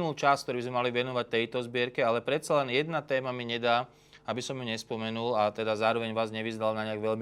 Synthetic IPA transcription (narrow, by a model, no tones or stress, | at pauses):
ult͡ʃast̪kt̪ɔɾibizmɛmaliʋɛnɔʋac̚t̪ɛjt̪ɔzbɪɛɾkɛalɛpɾɛt̪̚t͡salɛnjɛd̪nat̪ɛːmamiɲɛd̪aː | abisɔmjuɲɛspɔmɛnulat̪ɛd̪azaːɾɔʋɛɲʋaːzɲɛʋizd̪alnaɲɪaɡʋɛʎmi